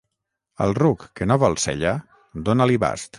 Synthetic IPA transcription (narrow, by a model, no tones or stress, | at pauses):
ə̰lˠrukːenoβɔlˠsɛ̰ʎa | d̪onaliβa̰st̪